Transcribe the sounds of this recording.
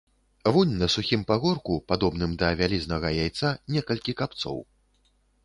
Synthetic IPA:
vunʲnɐsuxʲimpaɣɔrkupad̪ɔbnɨmd̪ɐvʲalʲiznɐɣɐjajt̪sanʲɛkɐlʲkʲikapt̪sɔ̰w

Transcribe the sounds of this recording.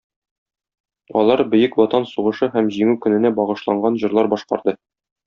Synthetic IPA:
ɒ̰lˠɑɾbɵ̆jɘkwɒt̪ɑnsuʁɤ̆ʃɤɦæmʑiŋʉkɵ̆nɘ̆næbɒʁɤ̆ʃlˠɑɴɢɑnʑɤ̆ɾlˠɑɾbɒʃqɑ̰ɾd̪ɤ

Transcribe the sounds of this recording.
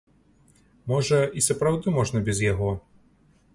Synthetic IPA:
mɔʐɐisɐpɾawd̪ɨmɔʐnɐbʲɛzjaɣɔ

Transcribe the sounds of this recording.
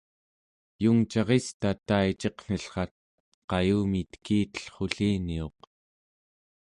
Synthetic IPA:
juŋt͡ʃɑʁest̪at̪ait͡ʃeqn̥əɬχɑt̪̚ | qɑjuːmit̪kiːt̪ə̥ɬχoɬiːnio̞q

